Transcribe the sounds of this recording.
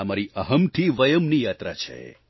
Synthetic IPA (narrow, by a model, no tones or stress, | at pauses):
amaɾiəɦəmt̪ʰiʋəjəmnijaːt̪ɾat͡ʃʰḛ